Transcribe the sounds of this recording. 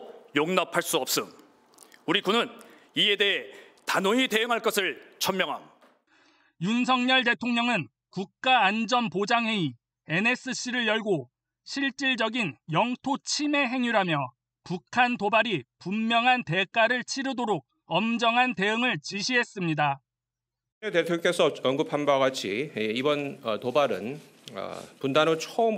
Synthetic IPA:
joŋnʌpʰaɭs͈uʌp̚s͈ɯ | uɾikunɯn | iede̞e | tanoite̞ɯŋɦaɭk͈ʌsʰɯɭt͡ɕʰʌmmjʌŋɦa̰n | juns̬ʰʌŋɲʌɭt̬e̞tʰoŋɲʌŋɯn | kuk̚k͈aːnd͡ʑʌnpod͡ʑaŋɦe̞i | e̞ne̞s͈ɯɕ͈iɾɯɭjʌɭɡo | ɕʰiɭt͡ɕ͈iɭd͡ʑʌɡinjʌŋtʰot͡ɕʰime̞ɦe̞ŋuɾɦamjʌ | pukʰantobaɾipummːjʌŋɦante̞k͈aɾɯɭt͡ɕʰiɾɯdoɾok̚ | ʌmd͡ʑʌŋɦante̞ɯŋɯɭt͡ɕiɕʰiɦe̞s͈ɯmɲida | etetʰkesʰʌʌnɡɯpʰambaɡat͡ɕʰiibʌnʌtobaɾɯ̰n | ʌ̰pundanot͡ɕʰoɯm

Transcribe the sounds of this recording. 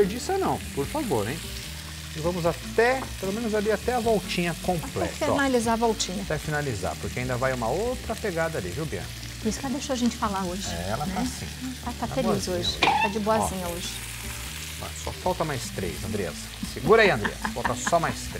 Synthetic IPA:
peɾd͡ʒisɐnɐ̃w̃poɾfavoɾẽj̃ | ɪvɐ̃mʊzat̪ɛpelomẽnʊzaliat̪ɛɐvɔwt͡ʃĩɲɐkõplɛ̰t̪finalizaɐvɔwt͡ʃĩɲɐt̪ɛfinaliza̰ɾpʊɾkʰeaĩd̪ɐvajũmɐowt̪ɾɐpeɡad̪ɐaliviwbiɐ̰̃n | pʊɾisʊ̥kɛlɐd̪eʃoaʒẽnt͡ʃɪ̥falaɾoʒɪɛ̰lɐnt̪ɛasḭ̃t̪at̪afaelboizoʒɪt̪ad͡ʒɪboɐzĩɲɐoʒɪ | bɐ̰̃sɔ̰fawt̪ɐmajst̪ɾḛjzɐ̃nd̪ɾea̰z | sɪɡuɾaiɐ̃nd̪ɾḭɐ̰sfawt̪ɐsɔmajst̪ɾe

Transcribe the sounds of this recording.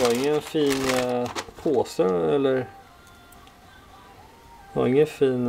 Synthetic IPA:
ɑɾɪŋːənfiːn | pʰoːsəɛlːəɾ | vɑ̰ɾɪŋːənfiːn

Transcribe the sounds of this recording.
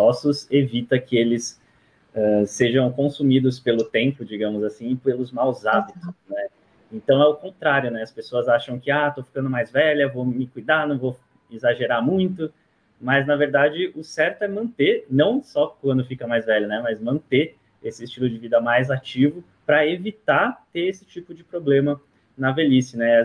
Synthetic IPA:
ɔsʊsevit̪ɐkɪelɪs | ɛseʒɐ̃w̃kõsumid̪ʊspelʊt̪ẽmpʊd͡ʒiɡɐ̃mʊzasĩɪpelʊzmawzabit̪ʊsnɛ | ẽnt̪ɐ̃w̃ɛʊkõnt̪ɾaɾjʊnɛɐspesoɐzaʃɐ̃w̃kɪat̪ofi̥kɐ̃nd̪ʊmajzvɛʎɐvomɪkujd̪anɐ̃w̃vo | ɪzaʒeɾamũj̃t̪ʊ | mɐznɐveɾd̪ad͡ʒɪʔʊsɛɾt̪ʊɛmɐ̃nt̪eɾnɐ̃w̃sɔkwɐ̃nd̪ʊfikɐmajzvɛʎɐnɛmɐzmɐ̃nt̪e | esɪst͡ʃilʊd͡ʒɪvid̪ɐmajzat͡ʃivʊ | pɾɐevit̪at̪eɾesɪ̥t͡ʃipʊd͡ʒɪpɾoblẽmɐ | nɐvelisɪnɛ

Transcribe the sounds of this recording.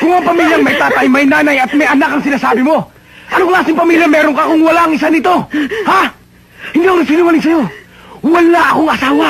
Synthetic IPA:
kʊŋaŋpɐmiːljɐŋmɐjt̪aːt̪ɐjmɐjnaːnɐjɐt̪̚mɐjɐnakɐŋsɪnaːsaːbɪmo̞ | ʔɐnoŋlaːsɪŋpɐmiːljɐmɛːɾoŋkɐkoŋwɐlaɐŋɪsanɪt̪o̞ha | hɪnd̪iːɐkoŋnɐsinuŋɐlɪŋsɐjo̞ | wɐlaʔɐkoŋɐsaːwa

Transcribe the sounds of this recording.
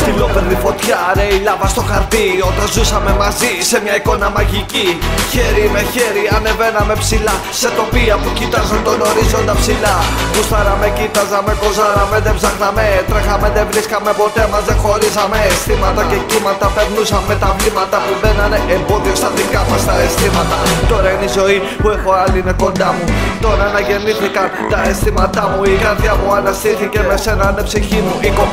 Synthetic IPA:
t̪ilopeɾðifo̞t̪çɐɾe̞ilɐvɐst̪o̞xɐɾt̪io̞t̪ɐnzusɐme̞mɐzise̞mɲɐiko̞nɐmɐʝiciçeɾime̞çeɾiɐne̞ve̞nɐme̞psilɐ | se̞t̪o̞piɐpucit̪ɐzɐnt̪ono̞ɾizo̞nd̪ɐpsilɐkust̪ɐɾɐmecit̪ɐzɐme̞ko̞zɐɾɐmeðevzɐxnɐme̞t̪ɾexɐmeðevɾiskɐmːepo̞t̪emɐzðexo̞ɾizɐmeːst̪imɐt̪ɐce̞kimɐt̪ɐfeɾnusɐmmːet̪ɐvlimɐt̪ɐpuðenɐneʔembo̞ðiost̪ɐt̪ikamɐst̪ɐest̪imɐt̪ɐt̪o̞ɾɐinizo̞i | puexo̞alineko̞nd̪ɐmut̪o̞ɾɐanɐʝe̞niθikɐn | t̪ɐest̪imɐt̪ɐmuiɣɐɾθjɐmuɐnɐst̪iɾθicemesenɐnepsiçimuiko

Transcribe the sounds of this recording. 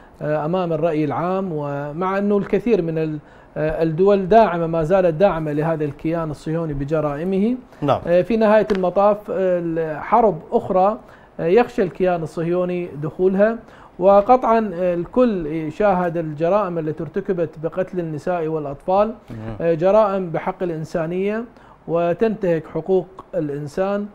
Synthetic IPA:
ʔamaːmɪrˤːɑʔjɪlʕaːmwɪmaʕʔanːalkɪθiːɾmɪnɪ | d̪ʊwald̪aːʕɪmamaːzaːlad̪aːʕɪmalɪɦaːðalkɪjaːnɨsˤːɨjoːnibɪd͡ʒɑɾˤɑːʔɪmɪhḭ | finɪhaːjalmɑt̪ˤɑːf | ħɑɾˤbʔʊxɾˤɑ | jaxʃalkɪjaːnɨsˤːɨhjoːnid̪ʊxuːlɦa | wɪqɑt̪ˤʕɑnlkʊlːʃaːɦɪd̪ɪld͡ʒɑɾˤɑːʔɪmɪlːat̪iɾˤt̪akabat̪bɪqɑt̪lɪnːɪsaːʔiwɪlʔɑt̪ˤfɑːld͡ʒɑɾˤɑːʔɪmbɪħɑqːɪlʔɪnsaːnɪjːa | wɪt̪ant̪ahɪkħʊquːqɪlʔɪnsaːn

